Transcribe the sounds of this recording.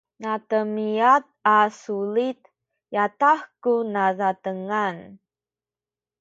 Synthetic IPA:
nat̪əmiat̪̚asulit̪ | jat̪ahkunazat̪əŋan

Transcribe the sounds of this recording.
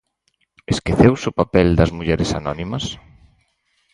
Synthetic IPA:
eskeθewsʊpapɛld̪ɐzmuʎɛɾɪsanɔnimɐs

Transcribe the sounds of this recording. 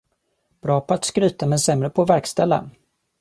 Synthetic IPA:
b̥ɾɑːpʰɔat̪skɾyːt̪amɛnsɛmɾəpʰɔvæɾkst̪ɛlːa̰

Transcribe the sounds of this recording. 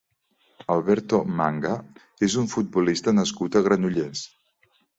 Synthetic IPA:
əlˠβɛɾt̪omaŋɡa | ezuɱfud̪̚bulist̪ənəskut̪əɣɾənuʎes

